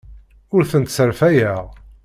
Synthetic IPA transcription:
ʊɾθənt̪səɾfæjæ

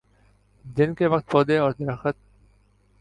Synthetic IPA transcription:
d̪ɪnkeʋɐq̚t̪̚pɔːd̪eɔːɾd̪ɐɾɐxət̪̚

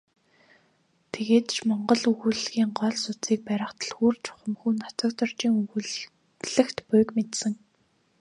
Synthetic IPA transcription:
t̪ʰeɣeːt̪t͡ɕʰmɔɴɢɞ̆ɮɵɣuɮɣiːŋɢɔɮsʊt͡siːk̚pæɾʲə̆χt̪ʰə̆ɮxuːrt͡ɕʰʊ̥χə̆mxuːnːat͡sə̆kt̪ə̆rt͡ɕiːŋ | ɮɘ̆xt̪pʊjkmet̪sɘ̆ŋ

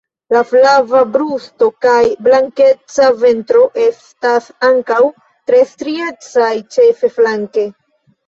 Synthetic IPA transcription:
laflavabɾusto̞kajblaŋke̞t͡save̞ntɾo̞ʔe̞stasaŋkaw | tɾe̞stɾie̞t͡sajt͡ʃe̞fe̞flaŋke̞

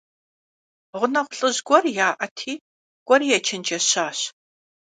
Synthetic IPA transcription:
ʁʷʊnɐχʷʊɬʼɨʑɡʷɔrjaːʔɐtʰiː | ɡ̥ʷʼɔrijɛt͡ʃʰɪnt͡ʃʼɐɕaːɕ

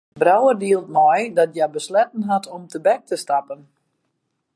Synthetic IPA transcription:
brawərdiəlˠt̚mɔjdɔtjabəslɛtən̩ɦatʰɔmtʰəbɛk̚tʰəstapən

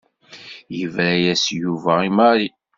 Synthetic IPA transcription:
jəvɾæjæsjuvæimaɾi

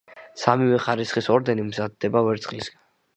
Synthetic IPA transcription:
samivɛχaɾisχisɔɾd̪ɛnimzad̪ːɛbavɛɾt̪sʼχʼlisɡ̥an

